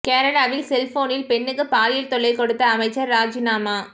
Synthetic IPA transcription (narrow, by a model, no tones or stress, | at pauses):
keːɾɐɽaːʋɪlsɛlfoːnɪlpɛnːɯkːɯpaːlɪjɪlt̪ɔɭːɐɪkɔɽɯt̪ːɐːmɐɪt͡ʃːɐɾːaːd͡ʒɪnaːmaː